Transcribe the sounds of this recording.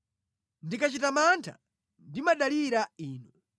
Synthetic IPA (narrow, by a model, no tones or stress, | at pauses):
ndikat͡ʃitamantʰa̰ | ndimaɗaliɾaiːnɔ